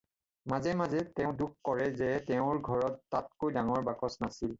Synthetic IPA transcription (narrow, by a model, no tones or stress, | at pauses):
mazɛmazɛtɛʊ̃dukkɔɹɛzɛtɛʊ̃ɹɡʱɔɹɔtːat̚kojdaŋɔɹbakɔsnasil